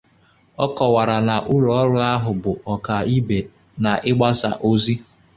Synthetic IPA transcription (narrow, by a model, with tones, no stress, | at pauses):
ɔ˦kɔ˨wa˨ɾa˨na˨ʔu˦ɾɔ˨˦ɾʊ˦a˦ɦʊ˨bʊ˨ʔɔ˨ka˨i˦be˨ | na˨ʔɪ˦ɡ͡ba˦sa̰˨ʔo˦zi˦